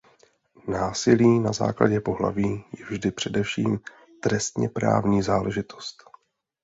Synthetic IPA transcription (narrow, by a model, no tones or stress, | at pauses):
naːsɪliːnaza̰ːkla̰ɟɛpo̞ɦla̰viːjɛvʒdɪpr̝̥ɛdɛfʃiːm | t̪ɾɛst̪ɲɛ̰pɾa̰ːvɲiːzaːlɛʒɪt̪ʰo̞̥st̪